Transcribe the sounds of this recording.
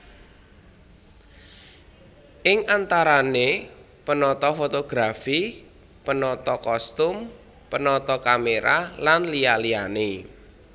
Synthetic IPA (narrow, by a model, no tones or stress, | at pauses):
ʔɪŋʔant̪aɾane | pənɔt̪ɔfot̪oɡ̥ɾafi | pənɔt̪ɔkɔst̪ʊm | pənɔt̪ɔkameɾʔa̰lanlialijane